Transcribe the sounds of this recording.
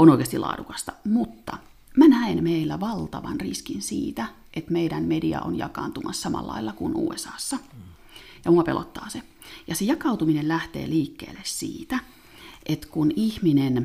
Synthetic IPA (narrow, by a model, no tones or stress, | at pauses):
onoikeɑst̪ilɑ̰ːdukɑ̥st̪ɑ̥mut̪ːɑ̰ | mænæenmeilːæʋɑlt̪ɑʋɑnriskinsḭːt̪æ | ʔet̪meiɾænmediɑ̰ʔonjɑ̰kɑːnt̪umɑssɑmɑ̰lːɑ̰ilːɑkunṵːesɑːsːɑ | jɑmuɑpelʔo̰t̪ːɑːse | jɑsejɑkɑut̪uminellæht̪ḛːliːkːḛːlːessḭːt̪æ | ʔet̪kunihminen